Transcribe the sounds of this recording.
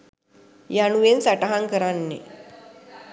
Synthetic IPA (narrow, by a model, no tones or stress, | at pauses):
januʋensaʈaɦaŋkəɾanːḛ